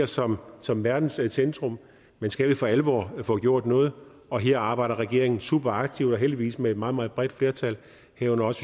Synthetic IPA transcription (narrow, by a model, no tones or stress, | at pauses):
ɐsɒ̽msɒ̽mʋæɐd̥n̩ssend̥ʁɔ̽m | mensɡ̥æʋifɒæləʋɒ̰ːfɔ̰̽ːɡ̥jo̝ɐ̰d̥nɔ̽ːð̞̩ˠ | ɒ̽ɦe̝ɐ̰ɑ̈ːb̥ɑ̈ɪ̰dɐʁɛɡ̥e̝ɐe̝ŋn̩sṵːb̥ɐɑ̈ɡ̥̚t͡sʰiʊ̰d̥ɒ̽ɦeld̥iʋḭːsmee̝d̥mɑ̈ːð̞̩ˠmɑ̈ːðˠb̥ʁɛd̥fle̝ɐt͡sʰæl | hæɐ̰ɔ̽nɐɒ̽s